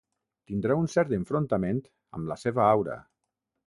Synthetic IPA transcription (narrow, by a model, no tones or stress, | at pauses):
t̪ind̪ɾaunsɛɾt̪eɱfɾont̪ament̪ | ə̰mləseβəawɾə̰